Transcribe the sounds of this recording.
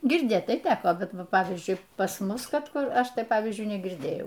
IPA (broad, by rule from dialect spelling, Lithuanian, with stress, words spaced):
ɡʲɪrʲˈdʲeːt tɐɪ ˈtʲæːkoː bʲɛt ˈʋɐ ˈpɑːʋʲiːzʲd͡ʒʲʊɪ pɐs ˈmʊs ˈkɐt ˈkʊr ˈɐʃ ˈtɐɪ ˈpɑːʋʲiːzʲd͡ʒʲʊɪ nʲɛɡʲɪrʲˈdʲeːjɛʊ